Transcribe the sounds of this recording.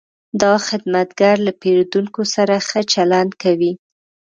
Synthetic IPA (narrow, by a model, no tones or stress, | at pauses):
d̪ɑxɪd̪mat̪ɡaɾlapeɾd̪uŋkosaɾaxət͡ʃaland̪kawi